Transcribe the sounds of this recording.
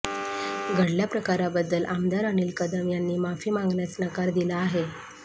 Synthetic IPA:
ɡʱəɽljapɾəkaɾabəd̪ːəlʔamd̪aɾaniːlkəd̪əmjanːiːmafiːmãŋɡɳjat͡snəkaɾd̪ilaːɦe

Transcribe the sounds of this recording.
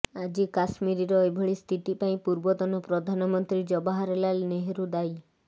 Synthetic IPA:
ad͡ʒikasmiɾiɾɔebʱɔɭist̪ʰit̪ipaĩpuɾbɔt̪ɔnɔpɾɔd̪ʱanɔmɔnt̪ɾid͡ʒɔbaɦaɾelalneɦeɾud̪aj

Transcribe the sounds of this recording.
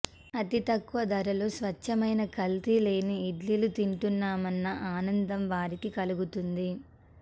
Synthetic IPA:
ɐt̪it̪ɐkːuʋɐd̪ɐɾɐloːsʋɐt͡ʃːɐmɐjnɐkɐlt̪ile̞ːniːɖlilut̪iɳʈunːaːmɐnːɐʔaːnɐnd̪ɐmʋaːɾikikɐluɡut̪und̪i

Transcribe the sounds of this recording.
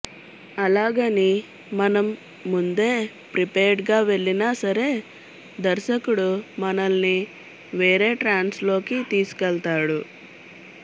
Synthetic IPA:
ɐlaːɡɐni | mɐnɐmː | und̪e̞ː | pɾipeːɾɖɡaːʋe̞ɭːinaːsɐɾe̞ː | d̪ɐɾʃɐkuɽumɐnɐlni | ʋeːɾe̞ːʈɾaːnslo̞ːkit̪iːsu̥kɛlt̪aːɽu

